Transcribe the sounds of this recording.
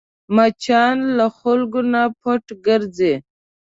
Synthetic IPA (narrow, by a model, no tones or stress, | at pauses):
mat͡ʃʰɑnlaxʊlɡonapʰoʈɡəɾd͡ze